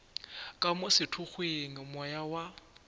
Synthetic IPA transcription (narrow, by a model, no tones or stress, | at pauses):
kʼamʊsɪtʰʊk͡xweŋ̩mɔjawa